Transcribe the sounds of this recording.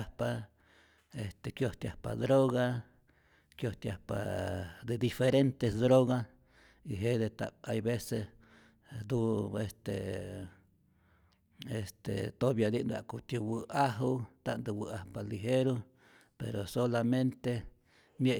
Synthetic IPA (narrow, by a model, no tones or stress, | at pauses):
pa | est̪ekjoht̪ja̰hpa̰d̪ɾoɣa | kjoht̪jahpa̰d̪ed̪ifeɾent̪esd̪ɾoɣas | iɦed̪et̪a̰ajbeses | d̪uest̪ḛ | est̪ḛt̪objad̪iʔnd̪a̰ʔkut̪uwɨaɦut̪a̰ʔnd̪ɨwɨahpaliɦeɾo | pḛɾosolament̪e | mje